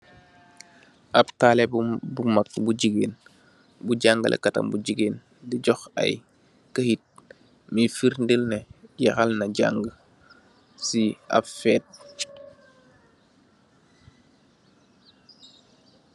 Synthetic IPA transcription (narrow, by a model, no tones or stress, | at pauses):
ʔɐptaːlɛbumɐk̚ːbuɟiɡeːn | buɟaŋɡəlʔɛ̰kɐtɐ̰mbuɟiɡeːn | diɟɔxɐ̰j | kəhit̚ | mifiɾndəlnɛjɐxalnɐɟa̰ŋɡə | siɐ̰pfɛːt̚